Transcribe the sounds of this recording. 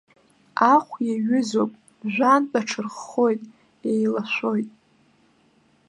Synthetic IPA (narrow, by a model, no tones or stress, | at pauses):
aχʷjaɥʏzopʼ | ʒᶣʷantʼaʈ͡ʂʰɨrχːojtʼ | ejlaʃʷo̞jtʼ